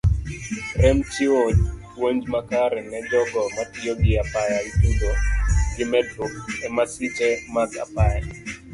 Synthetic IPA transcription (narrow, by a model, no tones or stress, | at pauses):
ɾɛmt͡ʃɪo | woɲd͡ʒmakaɾɛnɛd͡ʒɔɡɔmatɪoɡɪapajaitudoɡɪmɛdrukɛmasɪt͡ʃɛmaka̰paja